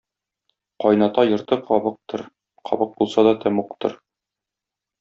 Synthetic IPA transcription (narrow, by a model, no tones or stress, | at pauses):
qɒjnɑt̪ɑjɤ̆ɾt̪ɤqʰɒbɤq̚t̪ɤɾ | qʰɒ̰bɤq̚bulˠsɑd̪ɒt̪ʰæmuqt̪ɤ̰ɾ